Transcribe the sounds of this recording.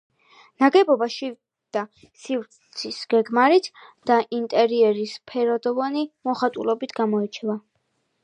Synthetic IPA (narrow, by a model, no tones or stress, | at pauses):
naɡɛbɔbaʃi | d̪̥a | sivɾt̪ssʰisɡ̥ɛɡmaɾit̪ʰd̪̥aʔint̪ʼɛɾiɛɾispʰɛɾɔd̪ɔvanimɔχat̪ʼṵlɔbit̪ʰɡamɔɛt͡ʃʰɛva